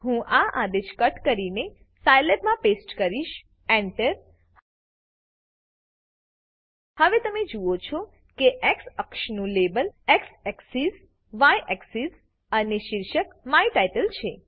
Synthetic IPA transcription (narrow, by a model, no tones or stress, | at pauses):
ɦũʔaʔad̪eʃkəʈkəɾine | sajlebmãpesʈkəɾiʃ | ɛɳʈəɾ | həʋet̪əmed͡ʒuot͡ʃʰɔ | keʔɛksəkʃnũlebəlɛksɛksiz | ʋajʔɛksiz | əneʃɪɾʃəkmaiʈajʈəlt͡ʃʰe